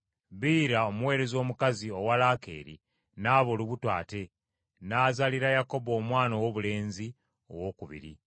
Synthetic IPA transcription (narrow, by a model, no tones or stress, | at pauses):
βiːɾaomuwe̞ːɾe̞zo̞ːmukazio̞walake̞̰ːɾḭ | naːβoluβutwa̰ːte̞ | naːzaliɾajako̞boːmwaːnowo̞βule̞ːnzi | o̰wo̞ːkuβḭɾḭ